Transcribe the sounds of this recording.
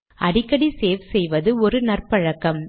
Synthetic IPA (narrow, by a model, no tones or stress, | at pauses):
ɐɽɪkːɐɽiseːʋsɛjʋɐðɯɔɾɯnɐrpɐɻɐkːɐm